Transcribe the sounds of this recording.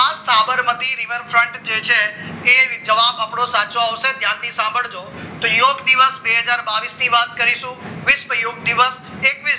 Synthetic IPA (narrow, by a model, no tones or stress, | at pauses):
asabəɾmət̪iɾiʋəɾfʰɾəɳʈd͡ʒet͡ʃʰeː | d͡ʒəʋabapɽ̃osat͡ʃoaʋʃed̪ʱjãt̪isãmbʱəɭd͡ʒo | t̪ojoɡd̪iʋəsbeɦəd͡ʒaɾbaʋisniʋat̪kəɾiʃũʋɪsməjoɡ̚d̪iʋəs | ekʋi